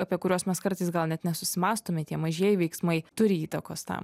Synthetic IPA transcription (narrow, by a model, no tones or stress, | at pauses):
ɐpʲiɛkʊɾʲuːsmʲɛskɐɾt̪ɐɪsɡɐlˠnʲɛt̪nʲɛsʊsʲɪmɑːst̪oːmʲɛt̪ʲiɛmɐʒʲiɛjɪʋʲɛɪksmɐɪt̪ʊɾʲɪiːt̪ɐkoːst̪ɐ̰m